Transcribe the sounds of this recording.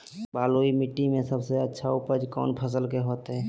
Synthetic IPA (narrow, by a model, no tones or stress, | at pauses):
baːloimiʈːimẽsəbseətːʃʰaʊpəd͡ʒkɔ̰ːnpʰəs̬əlkeɦoːt̪ɦɛ